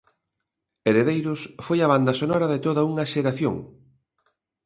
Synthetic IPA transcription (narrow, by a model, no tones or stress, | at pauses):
eɾeðejɾʊsfojɐβand̪ɐsonɔɾɐðet̪oðɐuŋɐʃeɾaθjo̰ŋ